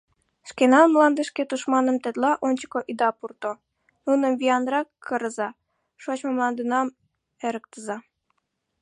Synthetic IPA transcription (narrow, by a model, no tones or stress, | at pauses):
ʃkenɑmlˠɑnd̪ə̆ʃket̪uʃmɑnə̆mt̪et̪lɑʔonʲt͡ɕə̥koʔid̪ɑpurt̪o | nunə̆mvijɑnrɑkʰːə̆ɾə̆zɑ | ʃot͡ɕmomlˠɑnd̪ənɑm | eɾə̆k̚t̪əzɑ